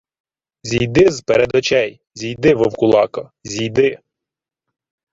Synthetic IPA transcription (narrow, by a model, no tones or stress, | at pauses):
zʲijd̪ɪzpeɾed̪ʋɔt͡ʃɛj | zʲijd̪ɪʋɔwkʊlˠɑkɐzʲijd̪ɪ